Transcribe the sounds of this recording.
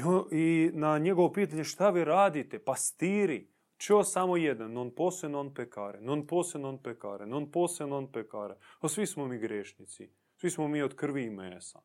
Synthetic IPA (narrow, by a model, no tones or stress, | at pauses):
oinaɲeɡoʋopiːt̪aɲeʃt̪aʋiːɾaːd̪it̪epast̪iːɾi | t͡ʃosamojed̪nanːonposlenonpekaːɾenonposenonpeka̰ːɾenonpoːsenonpekaːɾeosʋismomiːɡɾeʃnit̪sḭ | sʋismomiːod̪kr̩ʋiimesa̰